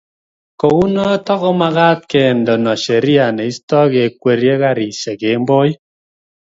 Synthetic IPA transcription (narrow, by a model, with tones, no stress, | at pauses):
ko˨wu˦nɔ˦tɔ˦kɔ˦ma˦ɣaː˦t̚ke˨n˨dɔ˨nɔ˨ʃe˨ɾi˦a˨ne˨i˦stɔ˦ke˨kwe˨ɾe˦ka˦ɾi˨sɛ˨ke˨˦m˦bɔ˦j